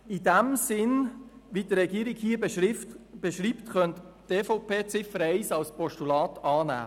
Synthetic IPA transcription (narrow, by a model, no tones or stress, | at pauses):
ɪdæmsɪnʋiːdɾɛɡiəɾɪkhiːə | b̥eʃɾiːptχœntteːfoʊpʰeːt͡sɪfəɾɛɪsɑlspɔʃtulɑːtɑːnæ̰ː